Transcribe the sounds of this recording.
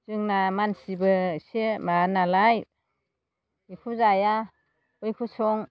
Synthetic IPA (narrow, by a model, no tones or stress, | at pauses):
z̥ɯŋnamansibɯsemanalaj | ikʰuzaja | ɔjkʰusɔŋ